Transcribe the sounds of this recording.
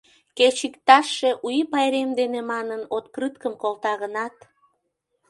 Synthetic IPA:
ket͡ɕikt̪ɑʃːe̽ʔujipɑjɾemd̪enemɑnənot̪krɨt̪kəmkolt̪ɑɣənɑt̪

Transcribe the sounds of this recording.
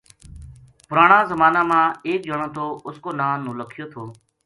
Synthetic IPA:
pʊɾaːɳãːzəmaːnaːmãːeːk̚d͡ʒəɳ̃õːt̪ʰoːʊskoːnaːnːũːləkʰɪjoːt̪ʰoː

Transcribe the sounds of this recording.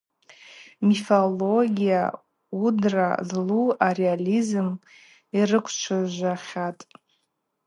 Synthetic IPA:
mifoloɡʲija̰ | udra̰zluarealizɨm | irɨkʷʰt͡ʃʷʰaʒʷaχʲatʼ

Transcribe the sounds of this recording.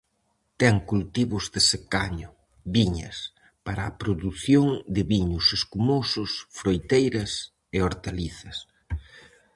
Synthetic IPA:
t̪ɛŋkult̪iβʊzðɪsekaɲʊ | βiɲɐ̰s | paɾɐːpɾoðuθjoŋd̪ɪβiɲʊseskumosʊsfɾojt̪ejɾɐs | eoɾt̪aliθɐs

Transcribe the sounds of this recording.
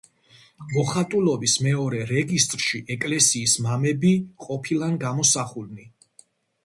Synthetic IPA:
mɔχat̪ʼulˠɔbismɛɔɾɛɾɛɡist̪ʼɾʃiʔɛkʼlɛsiːsmamɛbiqʼɔpʰilˠanɡamɔsaχulni

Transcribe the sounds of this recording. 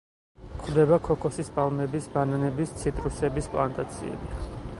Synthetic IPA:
kʰχwd̪ɛbakʰɔkʰɔsispʼalˠmɛbisbananɛbist̪sʰit̪ʼɾusɛbispʼlˠant̪ʼat̪sʰḭɛ̰bi

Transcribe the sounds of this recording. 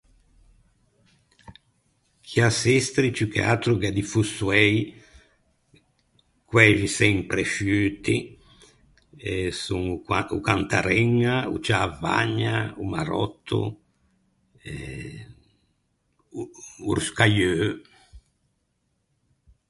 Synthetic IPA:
kʰiasɛst̪ɾit͡ʃukḛa̰t̪ɾuɡad̪ifusuɛj | kwɛːʒisɛmpɾeʃyːt̪i | ɛsuŋukant̪aɾɛŋːaṵt͡ʃaːva̰ɲːaumaɾɔ̰t̪ʰːṵ | ɛ | ṵɾskajøː

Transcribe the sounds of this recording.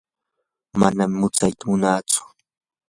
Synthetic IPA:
ma̰nammʊt͡sajt̪amʊnaːt͡sʊ̥

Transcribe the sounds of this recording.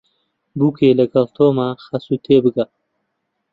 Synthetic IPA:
bukeːlɐɡɐlt̪ʰoːmaxasut̪ʰeːbɨɡɐ

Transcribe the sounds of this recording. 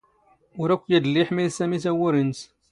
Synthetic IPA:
ʊɾækʷːjid̪əlːiħmiðsæmisæwʊɾins

